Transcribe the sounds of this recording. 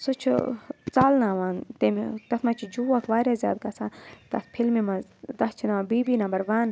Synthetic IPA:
sut͡ʃʰt͡saːlnãːʋaːnt̪emit̪ɐt̪mɐt͡ʃʰid͡ʒuːɐkʰʋaːɾjaːzja̰ːd̪̚kasʰaːt̪ɐ̰t̪ʰpʰilmimɐd̪ɐt͡ʃʰinabiːbiːnɐ̃mbɐɾʋaːn

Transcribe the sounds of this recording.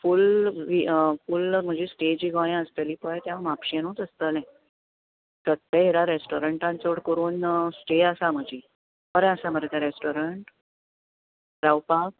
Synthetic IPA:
fulʋifulm̤əd͡ʑisʈed͡ʑiɡajãəst̪aliːpəɭt̪jãmapɕenũt͡s̪əst̪əlɛ̃ | sət̪ːeɦeɾaɾesʈoɾəɳʈãnt͡soɽkəɾuːnsʈeəsam̤əd͡ʑi | pəɾɛ̃əsam̤əɾat̪aɾesʈoɾəɳʈ | ɾawpak

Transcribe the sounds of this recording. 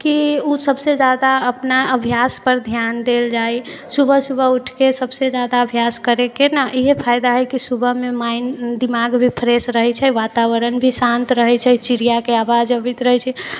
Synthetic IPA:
kiusəbsed͡ʒad̪aəpnaəbʱijaspəɾd̪ʱjand̪eld͡ʒajsubʱəsubʱəuʈʰkesəbsed͡ʒad̪aəbʱjaskəɾekenaʔiɦepʰajd̪aɦəjkisubʱəɦmemaɪnd̪imaɡbʱipʰəɾesɾəɦɛt͡ʃʰɛʋat̪aʋəɾənbʱisant̪ɾəɦɛt͡ʃʰɛt͡ʃiɾijakeabad͡ʒəbɛt̪ɾəɦɛt͡ʃʰɛ

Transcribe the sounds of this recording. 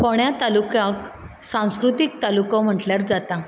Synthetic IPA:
pɔɳjat̪alukãk | sãw̃skɾut̪ik̚t̪alukɔ̃m̤əʈljaɾd͡zat̪ã

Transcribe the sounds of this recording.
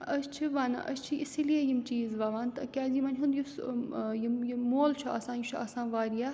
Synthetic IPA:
ɐst͡ʃʰiʋaːn̰ʔɐ̰st͡ʃʰiʔisilijejimt͡ʃiːzʋɐʋaːnt̪ɐkʲaːzimɐnʲɦũnd̪jusjimjimoːlt͡ʃʰuɐ̰sãːjut͡ʃʰɐ̰sãːʋaːɾija

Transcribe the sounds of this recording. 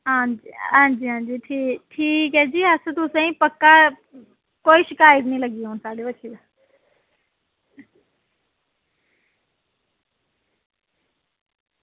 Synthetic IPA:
ɦãd͡ʑiɦãːd͡ʑiːɦãːd͡ʑiːʈʰiːʈʰiːkɛd͡ʑiːɐsut̪usɐ̃ĩpɐkːa | koːiʃɪkaːjət̪̬nəĩlɐɡioːnsaːɗoɐt͡ʃʰid̪

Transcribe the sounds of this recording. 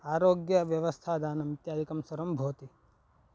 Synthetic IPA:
aɾoɡjəʋjəʋəst̪ʰad̪anɐmit̪jad̪ikɐmsəɾəmbʱot̪i

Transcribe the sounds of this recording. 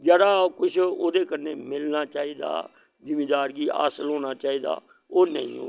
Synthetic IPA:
d͡ʒəːɽaːkʊt͡ʃʰoːd̪eːkənːeːmɪlnaːt͡ʃaːiːd̪a̰ː | d͡ʒɪmiːd̪aːɾɡiːʔa̰ːsəlɦoːnaːt͡ʃaːiːd̪a̰ː | oːnəḭ̃ːo̰ː

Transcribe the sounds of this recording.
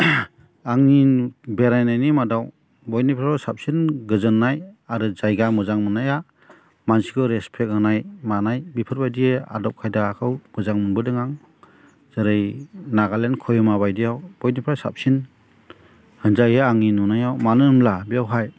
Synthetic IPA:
aŋinbeɾajnajnimadaw | bɔjnipʰɾaɾɔsap̚sinɡɯzɯnːajaɾɯzajɡamɯzaŋmɯnːaja | mansikʰɔɾespʰek̚hɯnajmanajbipʰɯɾbajdiea̰dɔp̚kʰajdaːkʰɯwɡ̥ɯzaŋmɯnbɯdɯŋaŋ | z̥ɯɾɯjnaɡalenkʰɔjɔmaβajdijawb̥ɔjnipʰɾawsa̰p̚sin | hɯnzajɯaŋinunajawmanɯɯmlabiawɦaj

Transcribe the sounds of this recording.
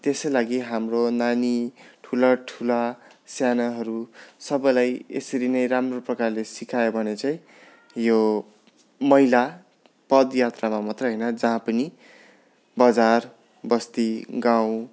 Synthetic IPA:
t̪eslaɡiɦamronaniʈʰulʌʈʰulasjanʌɦʌɾusʌbʌjlajḛsʌɾinʌjramroprʌkarlesikʰajobʱʌnet͡saĩ | jo | mʌila | pʌd̪jat̪ramamʌt̪rʌɦʌjnʌd͡zʌɦãpʌni | bʌd͡zar | bʌst̪iɡaw̃

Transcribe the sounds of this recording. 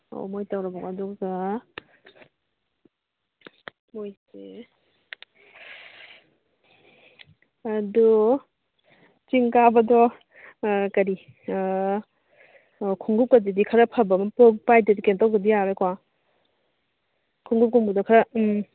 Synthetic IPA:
o̰mojtawɾabɔkadɔkza | mojse | ɐdu | t͡ʃiŋkabɐdɔ | kɐɾi | kʰuŋɡup̚kɐdidikʰɐɾɐpʰɐbamɐpok̚pajdedikentawɡɐdijaɾekwa | kʰuŋɡup̚kuŋbudɔkʰaɾɐm

